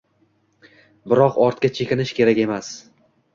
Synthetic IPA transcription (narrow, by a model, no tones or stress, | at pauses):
bɪɾɒqɒɾt̪kʲat͡ʃʰekʲɪnɪʃkʲe̞ɾakʲe̞mas